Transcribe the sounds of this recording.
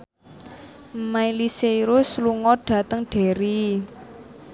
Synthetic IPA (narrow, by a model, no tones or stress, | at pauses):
mailisejɾʊsluŋɔɖ̥ä̤t̪əŋɖ̥e̤ɾi